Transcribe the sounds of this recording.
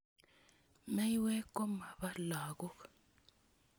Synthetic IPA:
mɛ˦jwɛ˦kɔ˦ma˨βa˦laː˨kɔ˦k

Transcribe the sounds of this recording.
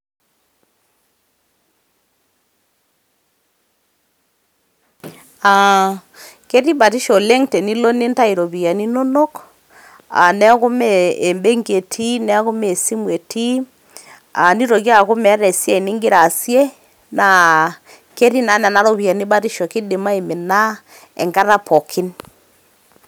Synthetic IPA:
a˨ | kɛ˦ɾi˦βa˨ɾi˦ʃɔ˨lɛ˦ŋtɛ˨ni˦lo˦ne˦nta˦i˨ɾo˨βi˨a˨ni˦no˦nɔ˦k | a̰˨nɛ˦ɣo˦mɛː˨mbe˦ŋɡe˨tʰi˦nɛ˦ɣo˦me˦˨si˦mwe˨ti˦ | a˨ni˦ɾɔ˨ɣja˦˨ɣo˦mɛ˨˦ɾɛ˨sja˦i˨ni˦ŋɡɪ˦ɾa˨sje˦ | na˨ | ke˦ɾi˦na˨˦na˨na˦ɾo˨βi˨a˨ni˦βa˦ɾi˦ʃɔ˨ki˦di˨ma˦e˨me˨na˦ | ɛ̰˨ŋɡa˦ða˦pʰɔ˨kʰi˦n

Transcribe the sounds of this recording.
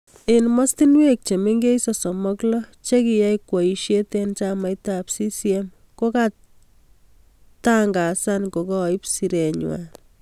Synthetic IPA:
e˨nmɔ˦sti˦nwe˦k̚t͡ʃe˨me˦ŋɡe˦sɔ˨sɔ˨mɔ˦klɔ˦t͡ʃe˦ki˨ja˦jkwa˨i˨ʃje˦tent͡ʃama˨jtapsi˦si˦e˦m | ko˦ka | ta˦ŋɡa˨sanko˨kɔ˦i˦psi˨ɾe˨ɲwa̰˨

